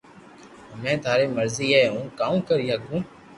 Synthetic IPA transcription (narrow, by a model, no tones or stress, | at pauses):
mɛ̃ːt̪ʰaːɾeːməɾziːɦeːũːkaːũːkəɾiːɦaːɡũː